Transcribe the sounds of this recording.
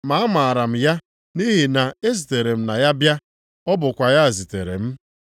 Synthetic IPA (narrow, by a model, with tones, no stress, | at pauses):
ma˨˦a˦ma˨a˨ɾa˨m̩˨ja˦ | ni˦ɦi˨na˨e˦zi˨te˨ɾe˨m̩˦na˨ja˦bja˦ | ɔ˦bʊ˨kʷa˨ja˦a˨zi˨te˨ɾḛ˨m̩˦